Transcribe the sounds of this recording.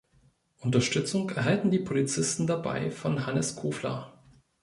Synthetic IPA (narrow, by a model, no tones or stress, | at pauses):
ʔʊntɐʃtʏt͡sʊŋkʔɛɐɦaltn̩diːpʰolit͡sɪstn̩daba̰ɪfɔnɦanəskʰuːflɐ̰